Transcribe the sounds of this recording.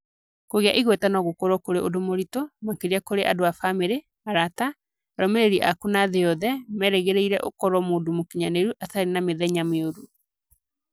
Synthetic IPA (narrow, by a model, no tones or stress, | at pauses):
koɣea̰ʔiɣwɛtanɔɣokoɾɔkoɾeʔodomoɾitɔmakeɾiakoɾeʔa̰doafameɾe | aɾata | ɾɔmeɾeɾiʔakunaðeɔðɛmɛɾeɣeɾeiɾɛ̰ʔo̰kɔɾwɔmoːdomokiɲaneɾuʔaθaɾenameðɛɲameoɾu